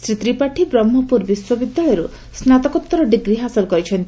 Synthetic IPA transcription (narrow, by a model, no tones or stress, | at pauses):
sɾit̪ɾipaʈʰibɾɔmːɔpuɾbiswɔbid̪ːajɔɾu | snat̪ɔkɔt̪ːɔɾɔɖiɡɾiɦasɔlkɔɾit͡ʃʰɔnt̪i